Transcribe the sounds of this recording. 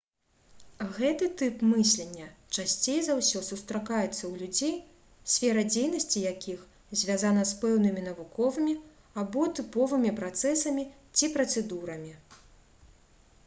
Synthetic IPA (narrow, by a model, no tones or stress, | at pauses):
ɣɛt̪ɨt̪ɨpmɨsʲlʲenʲːɐt͡ʂasʲt͡sʲejzawsʲɔsust̪ɾakajɛt̪sːɐwlʲud͡zʲej | sʲfʲɛɾɐd͡zʲejnɐsʲt͡sʲijakʲix | zʲvʲazanɐspɛwnɨmʲinɐvukɔvɨmʲi | abɔt̪ɨpɔvɨmʲipɾat̪sɛsɐmʲi | t͡sʲipɾɐt̪sɛd̪uɾɐmʲi